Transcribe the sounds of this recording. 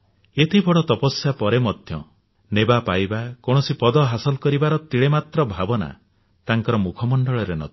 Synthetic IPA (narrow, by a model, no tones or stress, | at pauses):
et̪ʰibɔɽɔt̪ɔpɔsjapɔɾemɔd̪ʱjɔ̰ | nebapajbakoɽ̃ɔsipɔd̪ɔɦasɔlkɔɾibaɾɔt̪iɭemat̪ɾɔbʱabɔna̰ | t̪aŋkɔɾɔmukʰɔmɔɳɖɔɭɔɾenɔ̰t̪ʰi̥